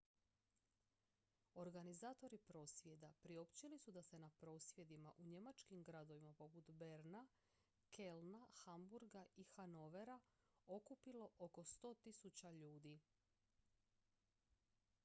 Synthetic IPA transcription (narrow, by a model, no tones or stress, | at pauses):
o̞ɾɡanizaːt̪o̞ɾipɾo̞ːsʋje̞d̪apɾio̞pt͡ɕilisud̪ase̞napɾo̞ːsʋje̞d̪imaʔuɲe̞mat͡ʃkimɡɾad̪o̞ʋimapo̞put̪be̞ɾna | kʰe̞lnaxambuɾɡaixano̞ʋe̞ɾa | o̞kupilo̞ʔoko̞st̪o̞ːt̪isut͡ɕaʎuːd̪i